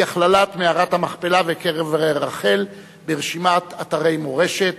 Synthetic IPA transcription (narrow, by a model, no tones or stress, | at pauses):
aχlalat̪meaʁat̪hamaχpelaveke̞ʁeveʁaχe̞l | beʁeʃimat̪at̪aʁe̞jmoʁeʃe̞t̪